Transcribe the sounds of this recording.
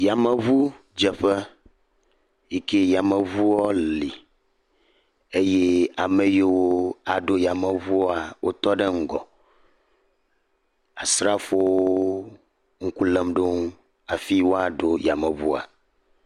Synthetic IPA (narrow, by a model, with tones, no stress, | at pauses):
ja˨mɛ˨vu˦ | d͡ʒɛ˨ɸɛ˦ | ji˦ke˦ja˨mɛ˨vu˦wɔ˦li˨ | e˦je˦a˨me˨je˦wo˦a˨ɖo˦ja˨mɛ˨vu˦ɔ˦a˨wʔo˦t̪ɔ˦ɖe˦ŋ̩˨ɡɔ˨ | a˨sɾa˦fo˦wo˦ | ŋ̩˦ku˦lɛ˦mɖo˦ŋ˦ | a˨fi˦wo˦a˨ɖo˦ja˨mɛ˨vu˦a̰˨